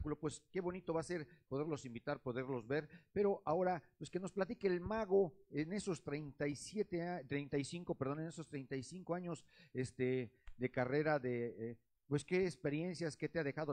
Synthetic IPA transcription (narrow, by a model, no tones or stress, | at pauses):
kulo̞pwe̞ske̞βo̞nit̪o̞βase̞ɾpo̞ðe̞ɾlo̞simbit̪aɾpo̞ðe̞ɾlo̞zβe̞ɾpe̞ɾo̞ʔao̞ɾapweske̞no̞splat̪̬ikeːlmaɣo̞ene̞so̞st̪ɾejnt̪ajsje̞t̪eat̪ɾejnt̪ajsiŋko̞peɾðo̞ne̞neso̞st̪ɾe̞jnt̪ajsiŋko̞aɲo̞zest̪e̞ðekare̞ɾaðe | pwe̞ske̞ːkspe̞ɾje̞nsjasket̪eaðe̞xaðo